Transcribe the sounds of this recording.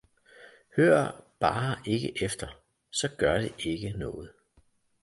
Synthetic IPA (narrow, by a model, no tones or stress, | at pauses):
høɐ̰b̥ɑ̈ːe̝ɡ̥əʔefd̥ɐ | sɒ̽ɡ̥ɶɐɾ̥e̝ʔe̝ɡ̥ənɔ̽ːð̞̩ˠ